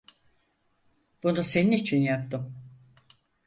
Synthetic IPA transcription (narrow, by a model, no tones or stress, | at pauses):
b̥unuse̞ninit͡ʃʰinjap̚t̪ʰɯm